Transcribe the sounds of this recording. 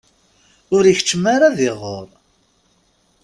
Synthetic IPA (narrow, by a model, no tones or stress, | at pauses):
ʊɾiçət͡ʃːəmaɾaðɪʁːoɾˤ